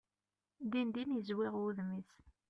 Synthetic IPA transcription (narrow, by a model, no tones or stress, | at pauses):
d̪ind̪injəzwiʁuðmis